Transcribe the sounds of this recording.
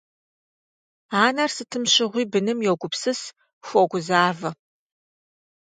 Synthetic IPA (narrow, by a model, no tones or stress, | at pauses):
aːnɐrsɨtʰɨmɕɪʁʷiːbɨnɨmjowɡʷʊpsɨs | xʷɔɡʷʊzaːvɐ